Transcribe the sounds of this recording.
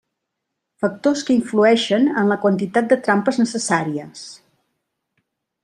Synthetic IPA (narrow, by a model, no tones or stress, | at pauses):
fək̚t̪oskəiɱfluɛʃənənləkwənt̪it̪at̪̚d̪ət̪ɾampəznəsəsaɾiəs